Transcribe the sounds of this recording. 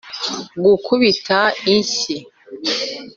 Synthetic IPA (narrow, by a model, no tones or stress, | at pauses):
ɡukʰuβitʰainsi